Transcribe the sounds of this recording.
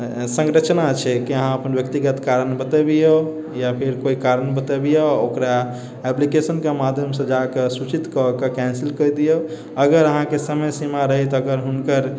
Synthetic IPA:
sə̃ŋɡɾət͡ʃnat͡ʃʰɛkiəɦãəpənbjək̚t̪iɡət̪kaɾənbət̪əbijo | japʰiɾkoikaɾənbət̪əbijookɾa | ɛplikesənkemad̪ʱjəmsə̃d͡ʒakesut͡ʃit̪kɔkekɛ̃nsilkəjd̪ijo | əɡəɾəɦãkesəməjsimaɾəɦɛt̪əɡəɾɦunkəɾ

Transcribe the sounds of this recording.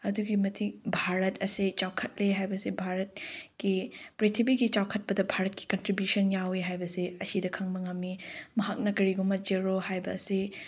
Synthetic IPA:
ɐduɡimɐtʰik̚bʱaɾɐtʰɐset͡ʃawkʰɐt̚leɦajbɐsebʱaɾɐt̚kipɾetʰibiɡit͡ʃawkʰɐt̚pɐdɐbʱaɾɐt̚ki̥kɐntɾibjusɐnjawiɦajbɐseɐsidɐkʰɐŋbɐŋɐmːimɐɦak̚nɐkɐɾiɡumɐt̚d͡ʒeɾohajbɐːse

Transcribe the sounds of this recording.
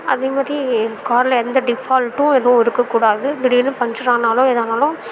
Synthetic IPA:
ɐ̰ðeːmaːd̪ɾikaːɾlɐɛnd̪ɐɖɪfaːlʈʊ̃ɛðɐ̃ɪɾɯkːɐkːuːɽaːðɯd̪ɪɽɪnːɯpɐɲd͡ʒɪɾaːnaːlʊ̃ɛðaːnaːlʊ̃

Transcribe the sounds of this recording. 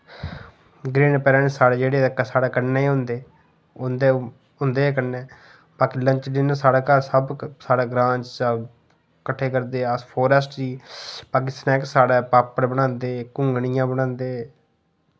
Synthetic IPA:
ɡɾeːnpɛːlãːneːsaːɽeːd͡ʒeːɽeːd̪əkːaːsaːɽaːkəneːiːɦʊ̃nd̪eː | ʊnd̪eː | ɦʊnd̪eːkəneː | baːkːləɲt͡ʃɖɪnəsaːɽaːkəɾsəbsaːɽaːɡɾãːt͡ʃsə | kəʈʰːeːkəɾd̪eːəspʰoːɾəsʈd͡ʒiːpaːkɪst̪ːnɛːksaːɽeːpaːpəɽbəɽ̃ãːnd̪eːkʊ̃ŋɡɳijãːbəɽ̃ãːnd̪eː

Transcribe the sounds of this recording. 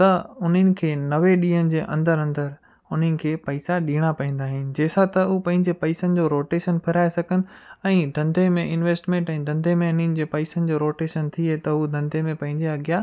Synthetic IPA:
t̪ɐʊn̤ənɪ̆kʰeːnɐʋeɗiːənɪ̆d͡ʑeːʔɐ̰̃nd̪əɾɐ̃nd̪əɾ | ʊn̤ənɪ̆kʰeːpɐɪsaɗiːɽ̃apɐĩːn̆d̪aːɦɪnɪ̆d͡ʑeːsãt̪ɐupɐ̃ɦɪ̃ɲd͡ʑepɐɪsənɪ̆d͡ʑoːɾoːʈeːʃənpʰɪɾaːesɐɡʱənɪ̆ɛ̃ːd̪ʱɐ̃nd̪ʱemẽɪnʋeːsʈmẽːɳʈɛ̃ːd̪ʱɐ̃nd̪ʱemẽʊn̤ənɪ̆d͡ʑeːpɐɪsənɪ̆d͡ʑoːɾoːʈeːʃənt̪ʰiet̪ɐɦud̪ʱɐ̃nd̪ʱemẽpɐ̃ɦɪ̃ɲd͡ʑeɐɠja

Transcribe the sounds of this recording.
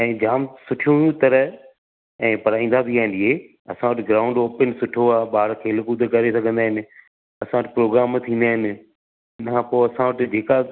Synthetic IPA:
ɛ̃ːd͡ʑaːmsʊʈʰijũjũt̪ɐɾə | ɛ̃ːpɐɾaːĩːnd̪abʱiaːɦɪ̃nd̪iɦe | ɐsãʋəʈɪɡɾaːʊ̃ɳɖoːpənsʊʈʰoaːɓaːɽkʰeːlɪkud̪ekɐɾesɐɡʱə̃nd̪aːɦɪnɪ̆ | ɐsãʋəʈɪpɾoːɡɾaːmt̪ʰĩːnd̪aːɦɪnɪ̆ | ɪnkʰãpoːɐsãʋəʈɪd͡ʑeːka

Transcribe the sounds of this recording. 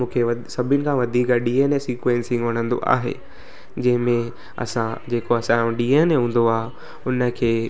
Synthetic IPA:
mũːkʰeʋɐsɐbʱɪnɪ̆kʰãːʋɐd̪ʱiːkaɗiːenesiːkʋẽːnsɪ̃ŋɡʋɐɽ̤̃ə̃nd̪o̰ʔa̰ːɦḛː | d͡ʑɐ̃ɦɪ̃mẽ | ɐ̰sãd͡ʑeːkoɐsãɖiːeneɦũːn̆d̪oaː | ʊnə̆kʰeː

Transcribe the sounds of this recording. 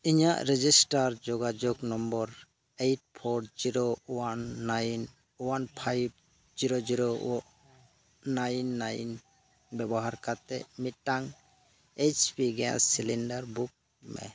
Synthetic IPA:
iɲaʔɾɛd͡ʒisʈaɾd͡ʒɔɡad͡ʒɔɡnɔmbɔɾ | ejʈ̚pʰɔɾɾd͡ʒiɾowanːajn | wanpʰajb̚ | d͡ʒiɾod͡ʒiɾo | ajnːajn | bɛbɔɦaɾkat̪ɛ̰mit̪̚ʈaŋ | et͡ʃpiɡɛjã̰silinɖaɾbuk̚ | mɛ̰

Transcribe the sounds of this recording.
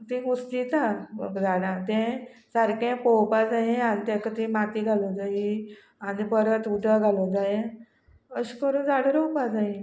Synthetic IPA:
t̪ĩɡust̪iːt̪amə̰kd͡zaɽãt̪ẽ | saɾkẽpɔwpad͡zaɦeanit̪ẽkət̪imat̪iːɡʱaləd͡zaɦi | anibəɾat̪uʈaɡʱaləd͡zajẽ | əɕikəɾũːnd͡zaɽɾɔwpad͡zai

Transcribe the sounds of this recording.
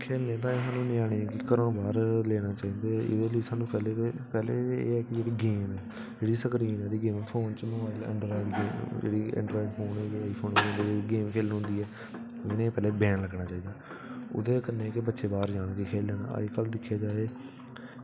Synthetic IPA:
kʰeːlnẽːt̪̬ãːeːsaːnũːnĩːaːɽ̃ĩːɛːkɪkəɾãːbaːɾleːɽ̃aːt͡ʃaːiːnd̪eːɪ̰d̪eːləjsaːnũːpɛːleːpɛːleːḛːɛːkɪd͡ʒeːɽiːɡeːmɛː | d͡ʒeːɽiːsəkɾiːnɛːd̪iːɡeːmɪ̃pʰoːnt͡ʃəməʋaːɪlə̰̃ɳɖɾaːd͡ʒɡeːmd͡ʒḛːɽiːɪ̰̃ɳɖɾaːɪɖpʰoːnɛːd͡ʒeːɽiaːiːpʰoːñnd̪eːiɡeːmkʰeːlnːɦʊ̃nd̪iːɛː | ɪnẽːpɛːleːbɛ̃ːnləɡnaːt͡ʃaːiːd̪aː | ʊ̰d̪eːkənːẽːkɪbətːʃʰeːbaːɾd͡ʒaːnkekʰeːlːeːna̰ːə̰kəld̪ɪkʰːjaːd͡ʒaːeː

